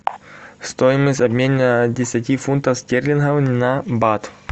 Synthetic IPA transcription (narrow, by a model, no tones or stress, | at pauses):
st̪ojɪməsʲtʲɐbʲmʲenʲnədʲɪsʲatʲifunt̪əfsʲt̪ʲerʲlʲɪnɦawnʲɪnɐbat̪